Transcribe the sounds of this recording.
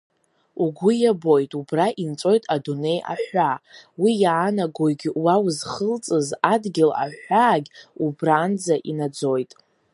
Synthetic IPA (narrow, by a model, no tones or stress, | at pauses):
uɡʷʊjabo̞jtʼubraʔint͡sʼo̞jtʼadune̞jʔa̰ħʷawijaːnaɡoɡʲwawzχəlt͡sʼɨzadɡʲɪla̰ħʷaːɡʲubraːnd͡zaʔinad͡zo̞jtʼ